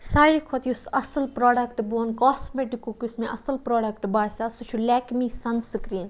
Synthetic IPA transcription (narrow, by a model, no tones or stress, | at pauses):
saːikʰot̪iusɐsəlpɾoːɖɐkʈboːnkoːsmeʈikːukusmẽʔɐsəlpɾoːɖɐk̚ʈbaːsʲasut͡ʃʰulɛːkmiːsɐnsɨkɾiːn